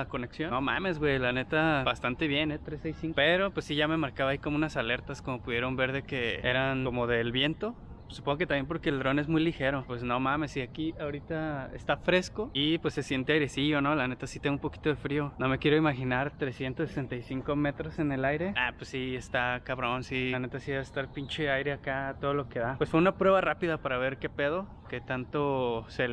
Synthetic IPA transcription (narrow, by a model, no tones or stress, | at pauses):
ko̞ne̞ksjonoma̰me̞zɣwejlane̞t̪abast̪ant̪e̞βje̞net̪ɾesejsiŋkope̞ɾo̞pwesːiʝame̞maɾkaβaikomounasale̞ɾt̪asko̞mo̞puðje̞ɾo̞mbe̞ɾðe̞ke̞e̞ɾanko̞mo̞ðe̞lβje̞nt̪o̞ | supoŋɡoket̪amjemp̬o̞ɾkeːld̪ɾo̞ne̞zmujlixe̞ɾo̞pwe̞sno̞mãme̞siakiaoɾit̪aḛst̪afɾe̞sko̞ipwe̞sːe̞sje̞nt̪eajɾe̞siono̞lane̞t̪asit̪eumpo̞ki̥t̪o̞ð̞efɾio̞no̞me̞kjeɾo̞imaxinaɾt̪ɾe̞sje̞nt̪osese̞nt̪ajsiŋko̞me̞t̪ɾo̞se̞ne̞lajɾe̞apwesːiest̪akaβɾo̞nsiane̞t̪asiaest̪aɾpint͡ʃeajɾe̞akat̪o̞ð̞o̞lo̞ke̞ðapwe̞sfweunapɾwe̞βarapiðapaɾaβ̞e̞ɾke̞pe̞ð̞o̞ | ket̪ant̪o̞se